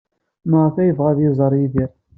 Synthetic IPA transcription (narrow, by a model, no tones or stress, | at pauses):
məʁəθæjəvʁæðjɪzˤəɾˤjiðiɾ